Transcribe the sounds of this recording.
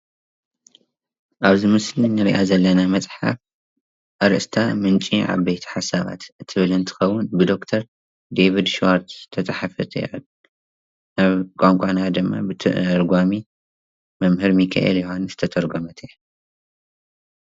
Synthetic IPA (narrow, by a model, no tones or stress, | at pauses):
ʔaβzimɨslinɨɾiʔazɐlːɐnamɐt͡sʼħa̰f | ʔɐɾɨʔɨst̪ʰamɨnt͡ʃʼiʕa̰βbejt̪ʰɐ̥ħasaβa̰t̪ɨt̪ʰɨβɨlɨnt̪ʰɨ̥xɐwːʊnbɨd̪o̞kt̪ʰɐɾ | d̪eβid̪ʃwaɾt̪ʰt̪ʰɐt͡sʼɐħafɐt̪ʰʼʕ | aβkʼaŋkʷʼanad̪ɨmːa̰bɨt̪ʰɨ̰ʔɾɡʷami | mɐmhɨɾmikʰa̰ʔḛljihonzɨt̪ʰɐt̪ʰɐɾɡomɐt̪ʰi